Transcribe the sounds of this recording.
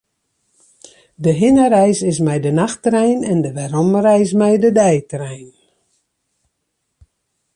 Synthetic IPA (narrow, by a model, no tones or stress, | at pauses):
dəɦɪnəɾɛjsɪs̬mɛjdənaxtrɛjnɛndəʋɛɾɔmrɛjs̬mɛjdədɛjtrɛjn